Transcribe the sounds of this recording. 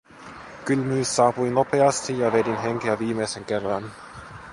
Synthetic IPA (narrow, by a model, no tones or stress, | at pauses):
kylmyːsɑːpujno̞pe̞ɑst̪ijɑʋe̞dinɦe̞ŋk̟eæʋiːmejse̞ŋke̞rːɑn